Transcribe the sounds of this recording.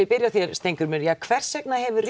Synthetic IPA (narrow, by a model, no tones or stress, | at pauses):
ɪðpɪɾjawθjɛɾst̪ejŋkʏɾmɛɾjakʰvɛr̥sɛknahɛvʏr